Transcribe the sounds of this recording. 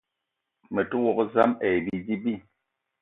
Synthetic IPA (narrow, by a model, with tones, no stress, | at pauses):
mɛ˨tu˦wɔ˨kza˦mɛ˨bi˦d͡ʒi˦bi˦˨